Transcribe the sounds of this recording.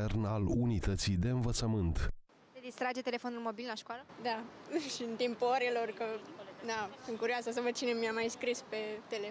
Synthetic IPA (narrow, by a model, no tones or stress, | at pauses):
ernalunit̪ət̪sid̪e̞ɨnvət̪səmɨnt̪ | t̪ed̪ist̪ɾad͡ʒe̞t̪e̞lefo̞nulmo̞bilʲlaʃkoaləd̪aʃiɨnt̪impuoɾelo̞rkəd̪asɨŋkuɾjoasəs̬əvəd̪̚t͡ʃine̞miamajskɾispe̞t̪ele